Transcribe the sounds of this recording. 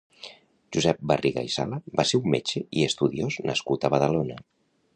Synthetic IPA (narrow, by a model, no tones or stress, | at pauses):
ʒuzɛp̚bəriɣa̰isa̰ləbaseumːet͡ʃeiəst̪uðioznə̰skut̪əβəðəlonə